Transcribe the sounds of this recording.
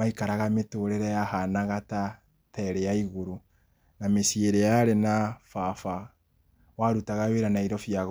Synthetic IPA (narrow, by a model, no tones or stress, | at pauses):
maikaɾaɣametoɾeɾɛjahanaɣata | tɛɾɛjaiɣoɾu | namesieɾejaɾenafafa | waɾutaɣaweɾanaiɾɔfiaɣ